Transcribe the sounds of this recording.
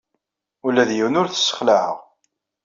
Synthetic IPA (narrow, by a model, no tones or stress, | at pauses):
ulːæðjiwnʊɾθə̥sːə̥χlaʕəʁ